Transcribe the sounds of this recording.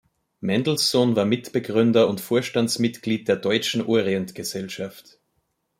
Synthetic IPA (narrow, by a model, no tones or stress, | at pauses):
mɛndl̩ssonvaːɐmɪtb̥əɡʁʏndɐʊntfoːɐʃtant͡smɪtɡ̥liːt̚d̥eːɐdɔʏt͡ʃn̩ʔoːɐʁiɛntɡ̥əzɛlʃaft